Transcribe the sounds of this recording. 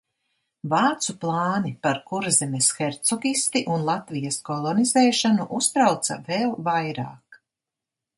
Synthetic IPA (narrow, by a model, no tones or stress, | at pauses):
vaːt̪suplˠɑːnipaɾkuɾzɛmesxɛɾt̪sɔɡist̪iʔunlˠat̪vijaskɔlˠɔnizɛːʃanuʔust̪ɾawt̪sɐ̰vɛlˠvajɾa̰ːk